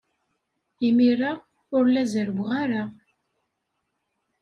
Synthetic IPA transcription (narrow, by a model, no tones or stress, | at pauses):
imiɾa | ʊɾlæzəɾɡʷʁaɾa